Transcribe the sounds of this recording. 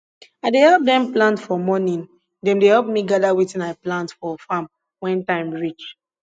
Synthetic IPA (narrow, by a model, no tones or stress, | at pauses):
adehɛlp̚dɛ̃mplãntfɔmɔnĩn | dɛ̃mdeɦɛlp̚miɡadawitĩnaɪplãntfɔfãm | wɛ̃ntãɪ̃mɹit͡ʃ